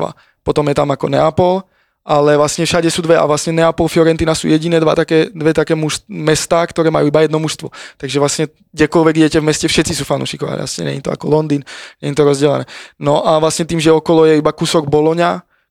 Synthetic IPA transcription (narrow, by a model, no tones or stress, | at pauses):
a̰ | pɔt̪ɔmjɛt̪amakɔnɛ̰apɔl | ʔalɛʋlasɲɛfʃaɟɛsuːd̪ʋɛa̰vʋlasɲɛnɛapɔlfjɔɾɛnt̪iːnasṵjɛɟinɛːd̪ʋa̰t̪akɛːd̪ʋɛt̪akɛːmuʃmɛst̪aːkt̪ɔɾɛːmajuibajɛd̪nɔmuʃst̪ʋɔt̪aɡʒɛvʋlasɲɛ | ɡɟɛkɔlʋɛɡiɟɛcɛvmɛscɛfʃɛt̪t͡sis̬uːfanʔṵːʃikɔʋa̰ɲ̰a̰sɲɛ̰ɲɛ̰ɲit̪ɔ̰a̰kɔlɔnd̪iːnɲɛɲit̪ɔɾɔzɟɛlɛ̰nɛ̰ːnɔʔaʋlasɲɛt̪iːmʒɛɔkɔlɔjɛibakusɔɡbɔlɔɲa